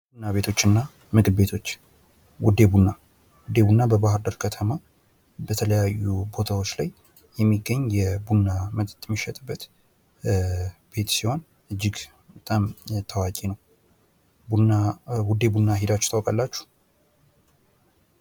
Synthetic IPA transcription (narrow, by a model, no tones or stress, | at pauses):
bunːaβe̞t̪ʰo̞t͡ʃːɨnːa | mɨɡdbe̞t̪ʰo̞t͡ʃː | wʊd̪ːe̞bunːa | wʊd̪ebunːabəβaɦɨɾd̪əɾkʰət̪ʰəma | bət̪ʰələjajːubo̞t̪ʰawo̞t͡ʃːlaj | jɛmːiɡːəɲjɛbunːamət̪ʼt̪ʼmɨʃɛt̪ʼɨbːət̪ | b̥e̞t̪siho̞n | ʔɨd͡ʒːɪɡ | bət̪ʼamt̪ʰəwakʼinəw | buawʊd̪e̞bunːaɦed̪at͡ʃːt̪ʰawkʼalːat͡ʃːu̥